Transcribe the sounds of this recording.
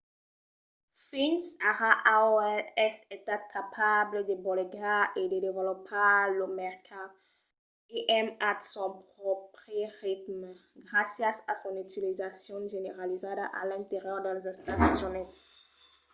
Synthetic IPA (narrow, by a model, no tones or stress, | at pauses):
finsaʁaʔaoɛlɛset̪at̪̚kʰapʰabləd̪ebɔleɡaʔed̪ed̪evelɔpʰalomɛʁkʰa | eʔɛmat̪sɔ̃pχɔpχəʁit̪mɡʁasjasasɔ̃nyt̪ilizasjɔ̃ʒeneʁalizad̪aʔa̰lɛ̃nt̪eʁjœʁd̪ɛlzɛst̪asjɔnɛ